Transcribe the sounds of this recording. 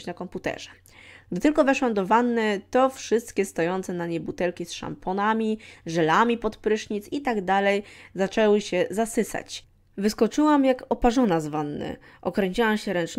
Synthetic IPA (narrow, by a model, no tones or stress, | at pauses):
t͡ɕnakɔmput̪ɛ̰ʐɛ̥ | ɡ̚d̪ɘt̪ɘlkɔvɛʂwamd̪ɔvanːɘt̪ɔfʂɘst̪kʲɛst̪ɔjɔnt̪sɛnaɲɛbut̪ɛlkʲisʂa̰mpʰɔnamʲiʐɛlamʲipɔt̪pɾɘʂɲit̪sit̪aɡd̪alɛjzat͡ʂɛwɘɕɛzasɘsa̰t͡ɕ | vɘskɔt͡ʂɘwamjakɔpaʐɔnazvanːɘ̰ | ʔɔkɾɛɲt͡ɕiwamɕɛɾɛnt͡ʂ